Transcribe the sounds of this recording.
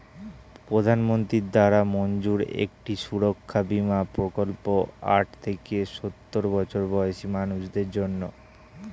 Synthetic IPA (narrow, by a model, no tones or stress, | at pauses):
pɾod̪ʱanmont̪ɾid̪aɾamond͡ʑuɾḛk̚ʈiʃuɾokʰːabimapɾokolpoa̰ʈ̚ʰt̪ʰekeʃot̪ːoɾbɔt͡ɕʰoɾbɔeʃimanuʃd̪eɾd͡ʑonːo